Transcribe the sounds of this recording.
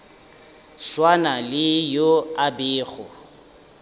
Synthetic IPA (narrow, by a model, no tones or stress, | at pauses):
swanalɪjoabɪːɣʊ